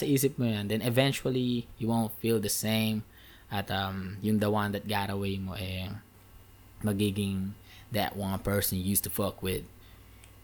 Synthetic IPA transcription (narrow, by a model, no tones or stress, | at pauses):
sɨizɪt̚mɨɨ̃nd̪ɛ̃nɨvɛ̃nt͡ʃuəlˠijɨwõʊ̃ntfilˠdɨsẽɪ̃m | atʌ̃mjɨ̃nðəwʌ̃nðɨt̚ɡ̥ɑɾəweɪmoʔɛ | məɡɪɡɪ̃ŋ | ðɨ̰t̚wʌ̃npʰɜ˞sɨ̃njʉstufʌkwɪd̥̚